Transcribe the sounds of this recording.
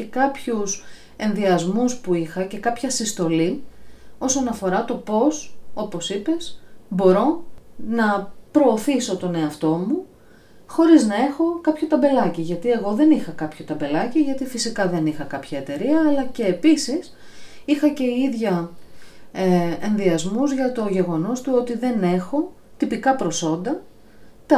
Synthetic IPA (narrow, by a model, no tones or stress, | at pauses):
ce̞kɐpçus | e̞nðiɐzmuspuixɐce̞kɐpçɐsist̪o̞li | o̞so̞nɐfo̞ɾɐt̪o̞po̞so̞po̞sipe̞sbo̞ɾo̞nɐpɾo̞ːθiso̞t̪o̞ne̞ɐft̪o̞mu | xo̞ɾiznɐe̞xo̞kɐpçot̪ɐmbe̞lɐciʝɐt̪ie̞ɣo̞ðe̞nixɐkɐpçot̪ɐmbe̞lɐciʝɐt̪ifisikɐðe̞nixɐkɐpçɐe̞t̪e̞ɾiɐːlɐce̞ːpisis | ixɐce̞iðʝɐ | enðiɐzmuzʝɐt̪o̞ʝe̞ɣo̞no̞st̪uo̞t̪iðe̞ne̞xo̞ | t̪ipikɐpɾo̞so̞nd̪ɐ | t̪ɐ